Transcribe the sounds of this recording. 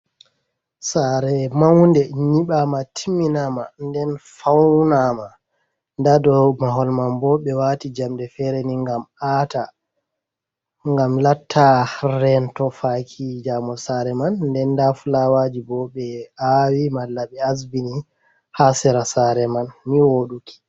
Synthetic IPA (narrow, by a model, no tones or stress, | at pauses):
saɾɛmawndɛɲiɓamatʰimːinamandɛnfawnama | ndadɔmaɦɔlmambɔɓɛwatid͡ʒamdɛfɛɾeniŋɡamata | ŋɡamlatʰːaɾɛntɔfakʰid͡ʒamɔsaɾɛmanːdɛndafulawad͡ʒibɔɓɛawimalːaɓɛasbini | hasɛɾasaɾɛmanmiwoɗuki̥